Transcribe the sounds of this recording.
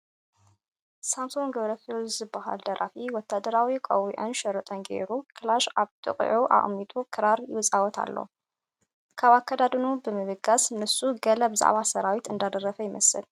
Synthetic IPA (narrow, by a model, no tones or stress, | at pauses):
samsoŋɡɐβɾɐfezɨbːaha̰ld̪ɐɾʔa̰fiwɔt̪ʰːad̪ɐɾawikʼɐ̰wḭʕunʃɐɾɨt̪ʼɐnɡḛɾukʰɨlaʃaβt̪ʼɨ̰qʼʕuʔa̰χʼmːit̪ʼukʰɨɾaɾjɪ̰wɨsʼawɔt̪ʰa̰lːo̰ | kʰaβakʰːad̪ad̪ɨnubɨmɨβɨɡasnɨsuɡɐlɐbɨza̰ʕβasɐɾawit̪ɨnd̪ad̪ɐrɐfɐjɪmɐsɨ̰l